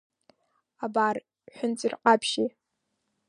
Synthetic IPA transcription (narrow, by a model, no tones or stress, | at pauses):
abar | ħʷᶣʊnt͡sʼirqʼapʰʃi